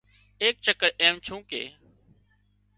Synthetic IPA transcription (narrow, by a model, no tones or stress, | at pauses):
eːk̚t͡ʃəkəɾʔeːmt͡ʃʰũːkḛː